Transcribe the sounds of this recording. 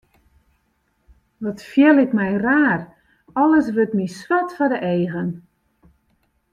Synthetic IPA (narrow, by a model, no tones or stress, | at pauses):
ʋɔtfjɛlɪkmɛjraːr | ɔlˠəs̬ʋøtmiswatfɔdəʔeːɣən